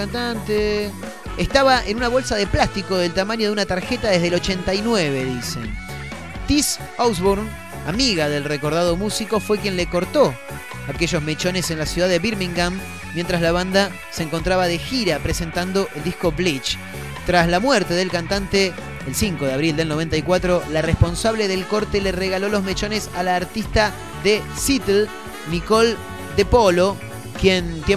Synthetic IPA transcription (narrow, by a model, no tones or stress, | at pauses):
ant̪ant̪eː | st̪aβaʔenunaβo̞lsaðeplast̪iko̞ðelt̪amãɲoðunat̪aɾxet̪aðe̞zðelo̞t͡ʃent̪ajnweβe̞ðisḛn | t̪is | owsβoɾn | amiɣaðe̞lreko̞ɾðaðo̞musiko̞fwekje̞nleko̞ɾt̪o̞ | ake̞ʒozme̞t͡ʃo̞ne̞se̞nlasjuðaðeβiɾmĩŋɡamː | jent̪ɾazlaβand̪a | seːŋko̞nt̪ɾaβaðe̞xiɾapɾese̞nt̪and̪o̞ʔeld̪ihko̞βlit͡ʃ | t̪ɾaslamweɾt̪eðe̞lkant̪ant̪eː | lsiŋko̞ðeaβɾild̪elno̞βe̞nt̪ajkwat̪ɾo̞larespo̞nsaβleðe̞lkoɾt̪elereɣalolo̞zmet͡ʃo̞nesalaːɾt̪ist̪a | ðesit̪el | niko̞l | d̪epo̞lo̞ | kjent̪je